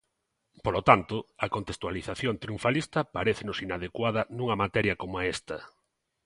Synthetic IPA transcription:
polot̪ant̪ʊɐkont̪est̪waliθaθjont̪ɾiuɱfalist̪ɐpaɾeθɪnʊsinað̞ekwaðɐnuŋɐmat̪ɛɾjɐkomoaɛst̪ɐ

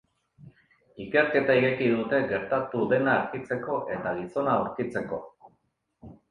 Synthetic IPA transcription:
ike̞ɾke̞t̪aiɣekiðut̪e̞ɣe̞ɾt̪at̪uðe̞naːɾkit͡se̞ko̞ʔe̞t̪aɣiso̞nauɾkit͡se̞ko̞

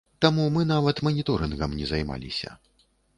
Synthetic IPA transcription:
t̪amumɨn̪avɐt̪mɐnʲit̪ɔɾɨnɣɐmnʲɛzajma̰lʲḭsʲɐ̰

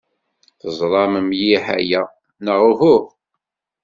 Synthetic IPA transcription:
θəzˤlˤɑməmjiħæ̰jæ | nəʁuhʊʁ

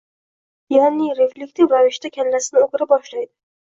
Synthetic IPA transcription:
janɪɾe̞flʲek̚t̪ʰɪvɾavɪʃt̪akʲʰanlasɪnɪoɡɾabɒʃlajd̪ɪ̥

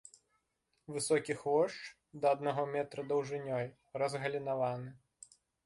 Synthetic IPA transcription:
vɨsɔkʲixvɔʂt͡ʂ | d̪ɐɐd̪̚naɣɔmʲɛt̪ɾɐd̪ɐwʐɨnʲɔj | rɐzɣɐlʲinavanɨ

